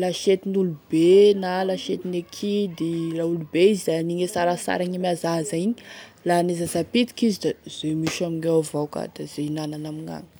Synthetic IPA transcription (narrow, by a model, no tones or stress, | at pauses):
laʃet̪inulubenalaʃet̪inekʰid̪ilaulubeizizaaniŋesaɾasa̰ɾaɲimazazaiɲilanezazapit̪i̥kizid̪az̥emiʃamiŋevawka̰d̪̥az̥einananamiŋa̰ŋə̥